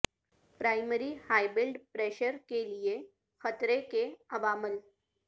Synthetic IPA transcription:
pɾajməɾihajbilɖpɾeɕəɾkelije | xət̪ɾekeəʋaməl

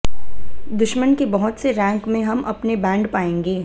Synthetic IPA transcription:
d̪ʊʃmənkebɐɦʊt̪seɾɛ̃ːŋkmẽɦɐmʔɐpnebɛ̃ːɳɖpaːẽːŋɡeː

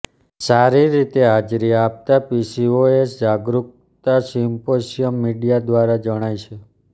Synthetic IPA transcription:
saɾiɾit̪ead͡ʒɾiap̚t̪apisioesd͡ʒaɡɾuk̚ | t̪asimposijəmːiɖijad̪ʋaɾad͡ʒəɽ̃ajt͡ʃʰe

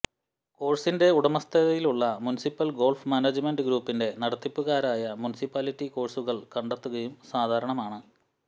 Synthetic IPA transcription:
ko̞ːrsinde̞uɽɐmɐst̪ʰɐðɐjiluɭːɐmunisipːɐlɡo̞ːlfmaːnɐd͡ʑɨmenɖɨɡɾuːpːinde̞nɐɽɐt̪ːipːuɣaːɾaːjɐmunisipːaːlitːiko̞ːrsuɣɐɭkɐɳɖet̪ːuɣɐjumsaːd̪ʱaːɾɐɳɐmaːɳɨ

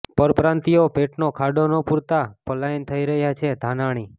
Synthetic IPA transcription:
pəɾpɾãnt̪iopeʈnokʰaɖonopuɾt̪apəlaint̪ʰəiɾəɦjat͡ʃʰed̪ʱanaɽ̃i

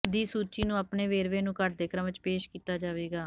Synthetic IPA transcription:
d̪iːsuːt͡ʃiːnũːaːpneːʋeːɾʋeːnũːkəʈ̚d̪eːkɾəmt͡ʃpeːʃkiːt̪aːd͡ʒaːʋeːɡaː

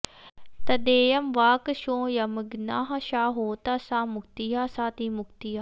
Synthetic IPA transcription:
t̪ɐd̪eːjɐmʋaːkʃõːjɐməɡnaːɦɐʃaːɦoːt̪asãːmʊkt̪ijaːsaːt̪iːmʊkt̪ijaː

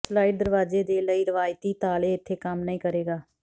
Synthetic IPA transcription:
slaːɪɖ̚d̪əɾʋaːzeːd̪eːləiːɾɪʋaːjt̪iːt̪aːleːɪt̪ʰːeːkəmnəĩːkəɾeːɡaː

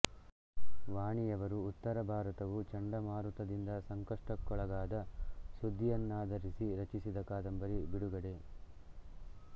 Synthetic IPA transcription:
ʋaːɳijɐʋɐɾuːt̪ːɐɾɐbʱaːɾɐt̪ɐʋut͡ʃɐɳɖɐmaːɾut̪ɐd̪ind̪ɐsɐŋkɐʂʈɐkːɔɭɐɡaːd̪ɐsud̪ʱːijɐnːaːd̪ʱɐɾisiɾɐt͡ʃisid̪ɐkaːd̪ɐmbɐɾibiɽuɡɐɽe̞

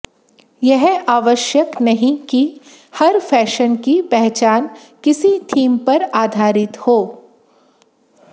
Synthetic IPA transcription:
jɛɦaːʋəʃjəknɐɦĩki | hɐɾfɛːʃənkipɛɦt͡ʃaːn | kɪsitʰiːmpɐɾaːd̪ʱaːɾɪt̪hoː

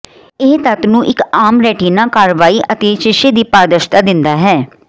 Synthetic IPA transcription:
ɪːt̪ət̪nũːʔɪkaːmɾɛːʈiːnaːkaːɾʋaːiːʔət̪eːʃɪʃeːd̪iːpaːɾd̪əʃt̪aːd̪ɪnd̪aːɦɛː

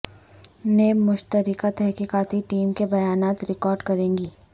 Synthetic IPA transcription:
neːbmʊʃt̪əɾɪkat̪ɛɦkiːkaːt̪iʈiːmkebɐjaːnaːt̪ɾɪkɔːɾɖkɐɾẽːŋɡiː

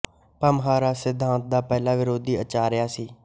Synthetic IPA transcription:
pəmɦaːɾaːsɪd̪ʱːãːnt̪̚d̪aːpɛːlaːʋɪɾoːd̪iːət͡ʃaːɾɪjaːsiː

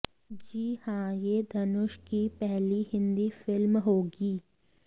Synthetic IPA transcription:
d͡ʒiːhãjed̪ʱɐnʊʃkipɛɦliɦɪ̃nd̪ifɪlmɦoːɡiː

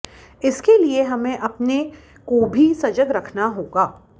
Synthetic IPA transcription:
ɪskelieɦɐmẽʔɐpne | kobʱisɐd͡ʒəɡɾɐkʰnaɦoːɡaː

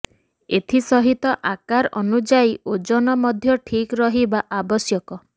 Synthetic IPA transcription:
et̪ʰisɔɦit̪ɔʔakaɾɔ̰nud͡ʒaiod͡ʒɔnɔmɔd̪ʱjɔʈʰikɾɔɦibaʔabɔsjɔkɔ

